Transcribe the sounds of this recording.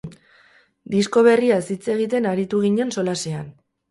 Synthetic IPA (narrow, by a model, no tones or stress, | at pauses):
d̪isko̞β̞e̞riasit͡se̞ɣ̞it̪̬e̞naɾit̪uɣ̞iɲe̞nso̞lasean